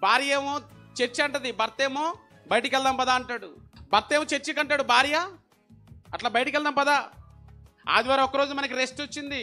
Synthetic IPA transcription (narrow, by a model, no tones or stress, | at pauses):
bʱaːɾijeːmoːt͡ʃet͡ʃːiɐɳʈɐd̪ibɐɾt̪eːmoː | bɐjʈɐkɛld̪ɐmpɐd̪aːɐɳʈaːɽubɐɾt̪eːmoːt͡ʃet͡ʃːikɐɳʈaːɽubʱaːɾija | ɐʈlaːbɐjʈɐkɛld̪ɐmpɐd̪aː | a̰ːd̪ʋaːɾaːɔkɐɾo̞ːd͡ʒumɐnɐk̬iɾesʈot͡ʃːind̪i